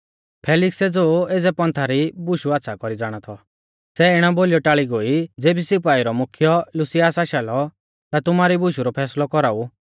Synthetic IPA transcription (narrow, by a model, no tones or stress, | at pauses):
pʰɛːlɪksɛd͡zoːeːd͡zɛpɔ̃nt̪ʰaɾibʊʃuat̪ːsʰakɔɾid͡zaːɽ̃at̪ʰɔ | sɛɪɽ̃aboːlijɔʈaːɭiɡoːid͡zeːbisɪpaːiɾɔmʊkʰjɔlʊsijasaːʃaːlɔ | t̪at̪ʊmaɾibʊʃuɾɔpʰɛːslɔkɔɾaːu